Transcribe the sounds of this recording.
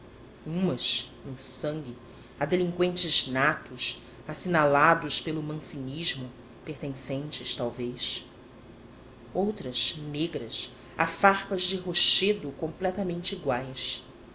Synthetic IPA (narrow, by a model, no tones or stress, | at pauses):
ũmɐsẽj̃sɐ̃ŋɡʲɪ | ad̪elĩŋkwẽnt͡ʃɪznat̪ʊs | asinalad̪ʊʃpelʊmɐ̃siɲiʒmʊ | peht̪ẽsẽnt͡ʃɪʃt̪awvejs | owt̪ɾɐʃneɡɾɐs | a̰faχpɐzd͡ʒɪɦoʃed̪ʊkõmplɛt̪ɐmẽnt͡ʃiɡwajs